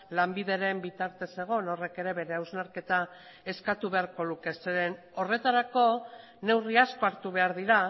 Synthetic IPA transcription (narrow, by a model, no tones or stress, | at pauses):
lambiðe̞ɾe̞mbit̪aɾt̪e̞se̞ɣ̞o̞no̞re̞ke̞ɾe̞βe̞ɾe̞awznaɾke̞t̪a | e̞skat̪uβe̞aɾko̞luke̞seɾe̞n | o̞re̞t̪aɾako̞ | ne̞wriasko̞aɾt̪uβ̞e̞aɾðiɾa